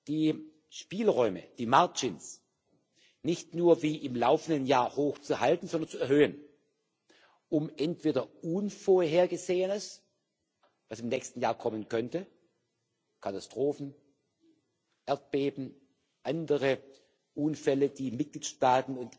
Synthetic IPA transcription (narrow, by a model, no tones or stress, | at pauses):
d̥iː | ʃpiːlʁɔʏmə̰d̥iːmaɐd͡ʒɪns | nɪçtnuːɐviːʔɪmlaʊfn̩dənjaːɐhoːxt͡suɦaltn̩zɔndɐnt͡suɛɐhøːən | ʔʊmʔɛntv̥eːdɐuːnfoɐɦeːɐɡəzeːənəs | vasɪmnɛːçstn̩jaːɐkʰɔmənkʰœntə | kʰatastʁ̥oːfn̩ | ʔɛɐt̚b̥eːbm̩ | ʔandəʁə | ʔuːnfɛləd̥iːmɪt̚ɡ̥liːtʃtaːtn̩ʊnt